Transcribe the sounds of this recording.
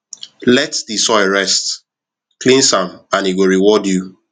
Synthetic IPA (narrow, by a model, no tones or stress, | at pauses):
lɛtdisɔɪɹɛst | klĩnsãmãniɡoɹiwɔdju